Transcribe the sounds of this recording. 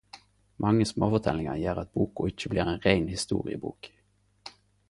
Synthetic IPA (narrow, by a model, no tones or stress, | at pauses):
mʔɑŋːəsmoːfɔt̪ʰɛlɪŋɑjeːʁɑt̪̚buːkʊɪc͡çəbliːʁɛːnʁæɪnhɪst̪ṵːʁɪ̰ə̰bṵːk